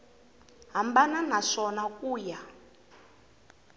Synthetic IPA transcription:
ɦambananaʂɔnakuːja

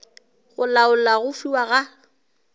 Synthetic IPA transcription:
ɣʊlaʊlaɣʊfiwaɣa

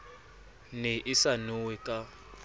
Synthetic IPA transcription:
nɛʔisanuwɛkʼa

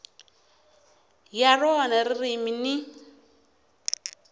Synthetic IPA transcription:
jarɔnaɾiriminɪ

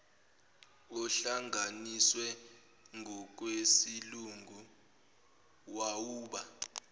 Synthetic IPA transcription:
ɔɬaŋaniswɛ | ŋʱɔk̬ʼwesiluŋɡʱu | wawuːɓa

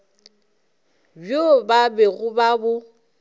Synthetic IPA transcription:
bjobabeɣʊbabʊ

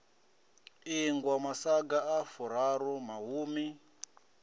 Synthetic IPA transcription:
iŋɡwamasaɡaafuɾaɾumaɦuːmi

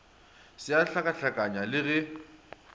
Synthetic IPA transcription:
sɪaɬakʼaɬakʼaɲalɪɣɛ

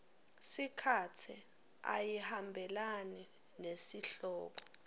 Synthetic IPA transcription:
sikʰatʰi | a̰jihambʱɛlani | nesiɬɔːk̬ɔ̥

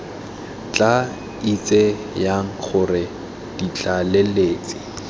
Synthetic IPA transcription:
t͡ɬʼa | it͡sʼe | jaŋ̩χʰʊrɪ | d̥it͡ɬaleleːt͡sʼɪ̥

